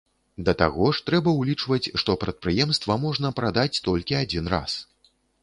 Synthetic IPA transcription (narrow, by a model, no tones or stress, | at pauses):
d̪ɐt̪a̰ɣɔʂt̪ɾɛbɐwlʲit͡ʂvɐt͡sʲʂt̪ɔpɾɐt̪̚pɾɨjɛmst̪vɐmɔʐnɐpɾad̪at͡sʲt̪ɔlʲkʲiad͡zʲinra̰s